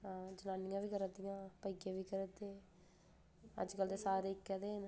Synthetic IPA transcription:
ãːd͡ʒənaːniŋãːʋiːkəɾət̪ːiŋãːpəikeːʋiːkəɾət̪eː | ɐ̰d͡ʒkəlt̪eːsaːɾeɪkːɛd̪eːn

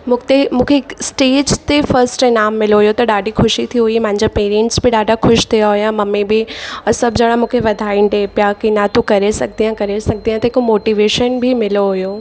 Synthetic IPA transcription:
mũt̪emũːkʰeksʈeːd͡ʑt̪efɐɾsʈenaːmːɪloɦʊjot̪ɐɗaːɖixʰʊʃit̪ʰiɦʊimɐ̃ɦɪ̃ɲd͡ʑapeːɾiə̃ɳʈsbɪɗaːɖʱaxʊʃt̪ʰijaɦʊjãmɐmẽbʱɪɐɾsɐbd͡ʑɐɽ̃amũːkʰeʋɐd̪ʱaːinɖ̪epjakinat̪ukɐɾesɐɡ̚ʱd̪ijãkɐɾesɐɡ̚d̪ijãt̪eɪkomoːʈiːʋeːʃənbʱimɪloɦʊjoː

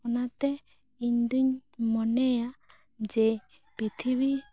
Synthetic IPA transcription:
ɔnat̪ɛ | iɲd̪uɲmɔnɛa | d͡ʒɛ | pit̪ʰiβi

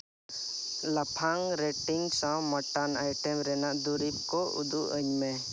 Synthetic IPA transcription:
ləpʰaŋɾɛʈiŋɡsãmɔʈanajʈɛmɾɛnaʔd̪uɾip̚kɔṵd̪uʔəɲmɛ̃

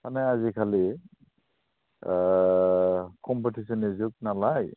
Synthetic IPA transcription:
kanɛazikʰali | kɔmpetʰisɔnizuk̚nalaj

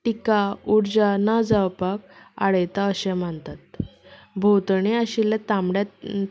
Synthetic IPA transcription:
ʈikauɾd͡ʑanad͡zawpak̚a̰ɽəjt̪aəɕɛ̃m̤əɳt̪at̪̚ | bʱowt̪ɳeəɕilat̪ãmɽa

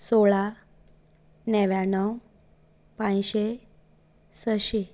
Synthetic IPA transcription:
soɭa | nɛʋjãnəw | pãjɕe | səɕi

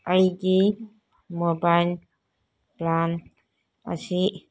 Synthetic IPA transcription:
ʔajɡi | mɔbajl | plan | a̰si

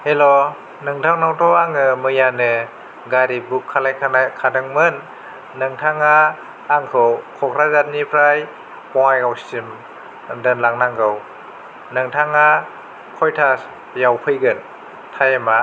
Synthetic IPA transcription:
helo | nɯŋtʰaŋnawtʰɔaŋɯmɯjanɯ | ɡaɾibukʰːalajkʰakʰadɯŋmɯnː | ɯŋtʰaŋaː | ŋkʰɯwkʰɔkʰɾazat̚nipʰɾaj | kɔŋajɡawstim | dɯnlaŋnaŋɡɯw | nɯŋtʰaŋa | kʰɔjtʰas | jawpʰɯjɡɯn | tʰajema

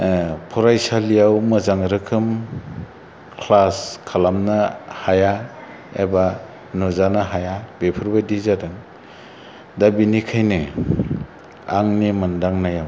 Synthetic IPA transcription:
pʰɔɾajsalijawmɯzaŋɾɯkʰɯm | kʰlaskʰalamnahaja | ḛba | nɔzanaɦajabepʰɯɾbadizadɯŋ | dabinikʰajnɯ | aŋnimɯndaŋnajaw

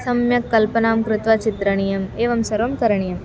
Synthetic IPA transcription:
sɐmjɐkːɐlpɐnaːmkɾɪt̪ʋɐt͡ʃit̪ɾɐɳijɐmeːʋɐmsɐɾʋɐmkɐɾɐɳijɐm

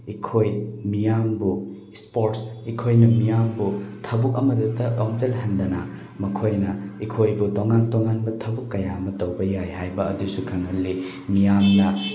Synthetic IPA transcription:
ikʰojmijambu | spoɾtsikʰojnɐmijambutʰɐbuk̚ɐmɐdɐtɐoŋd͡ʒelɦɐndɐna | mɐkʰojnɐikʰojbutoŋantoŋanbɐtʰɐbukːɐjamɐtɐwbɐjajɦajbɐɐdusukʰɐŋɦɐlːi | mijamnɐ

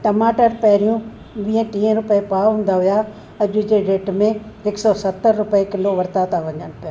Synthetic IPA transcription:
ʈɐmaːʈəɾpɐɦɪɾijũ | ʋĩːə̃ʈĩːə̃ɾʊpepaːɦũːnd̪aɦʋija | ɐʄʊd͡ʑeɾeːʈmẽɪksɔsɐt̪ːəɾːʊpəekɪloʋɐɾt̪at̪ʰaʋɐɲəñʊpɪja

